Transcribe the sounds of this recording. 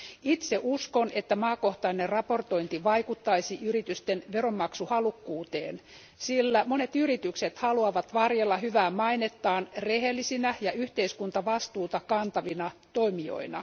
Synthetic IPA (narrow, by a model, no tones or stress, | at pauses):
it̪seʔuskonet̪ːæmɑːko̞ht̪ɑinerrɑpo̞rt̪o̞int̪iʋɑikut̪ːɑisiʔyrit̪yst̪enʋeromːɑksuhɑlukːuːt̪eːn | silːæmonet̪yrit̪ykset̪hɑluɑʋɑt̪ʋɑrjelːɑɦyʋæːmmɑinet̪ːɑːnreɦelːisinæjɑyht̪eiskunt̪ɑʋɑst̪uːt̪ɑkɑnt̪ɑʋinɑt̪oimio̰inɑ̰